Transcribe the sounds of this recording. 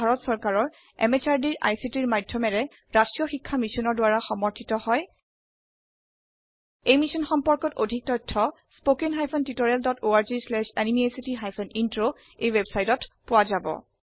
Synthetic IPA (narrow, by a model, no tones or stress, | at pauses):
aɹɔtsɔɹkaɹɔɹ | ɛ̰met͡ʃaɹdiɹʔa̰jsitiɹmadʱjɔmɛɹɛ | ɹastɹijɔxikʰːamisɔnɔɹdʊaɹaxɔmɔɹtʰitɔhɔj | ejmisɔnxɔmpɔɹkɔtodʱik̚tɔjtʰːɔ | spokenɦajpʰɔntitoɹɛldɔtoaɹzislɛʃanimiesitiɦajpʰɔnintɹo | ejwebsajtɔtpʊwazabɔ̰